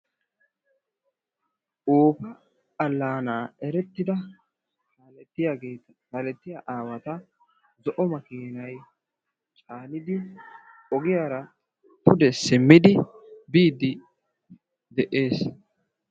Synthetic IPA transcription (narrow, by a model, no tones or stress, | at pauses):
ʔoːpɐ | ɐlːaːnaːɛɾɛt̪ːɪd̪ɐ | alɛt̪ːɪjaːɡe̞ːt̪ɐkaːlɛt̪ːɪjaʔaːwɐt̪ɐ | zɔʔɔmɐkiːnɐj | t͡ʃʼaːlɪd̪ɪ | ɔɡɪjaːɾɐ | t̪ʊd̪ɛsɪmːɪd̪ɪ | biːd̪ɪ | d̪ɛʔe̞ːs